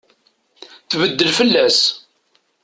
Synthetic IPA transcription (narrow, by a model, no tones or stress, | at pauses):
θvəd̪ːəlfəlːæs